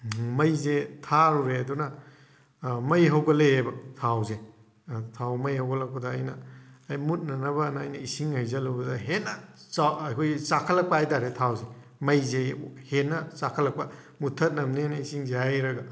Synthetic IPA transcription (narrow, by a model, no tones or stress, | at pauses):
mɐjzetʰaɾuɾeɐdunɐ | mɐjɦɐwɡɐleebɐtʰawze | tʰawmɐjhɐwɡɐlɐk̚pɐdɐːjnɐːjmut̚nɐnɐbɐnːjnɐisiŋhajzɐlubɐdɐɦenɐakʰojt͡ʃakʰɐlːɐk̚paajtaɾetʰawze | mɐjzehenːɐsakʰɐlɐk̚pɐ | mutʰɐt̚nɐmnenɐisiŋzehajɾɐɡɐ